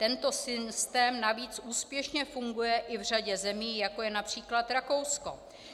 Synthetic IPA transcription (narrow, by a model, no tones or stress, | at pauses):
t̪ɛnt̪o̞sɪst̪ɛːmnaviːt͡suːspjɛʃɲɛfuŋɡujɛʔɪvr̝aɟɛzɛmiːjako̞jɛnapr̝̥iːklat̪ɾako̞wsko̞̰